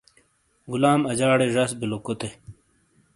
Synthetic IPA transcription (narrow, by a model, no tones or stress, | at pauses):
ɡulaːmɐd͡ʑaːɽeʐɐsbilokot̪e